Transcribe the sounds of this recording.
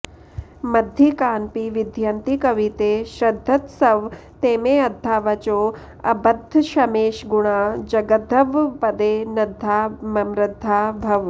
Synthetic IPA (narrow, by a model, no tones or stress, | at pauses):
mɐd̪ʱikaːnpiʋid̪ʱjɐnt̪ikɐʋit̪eːʃɾɐd̪ʱːɐt̪sɐʋt̪eːmeːɐd̪ʱːaːʋɐt͡ʃoː | ɐ̰bɐd̪ʱʃɐmeːʃɡuɳaːd͡ʒɐɡɐd̪ʱɐʋpɐd̪eːnɐd̪ʱːaːmɐmɾɪd̪ʱːaːbʱɐʋ